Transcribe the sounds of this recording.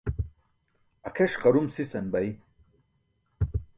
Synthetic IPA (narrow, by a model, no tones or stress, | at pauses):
ɐkʰeʂqɐɾumsisɐnbɐj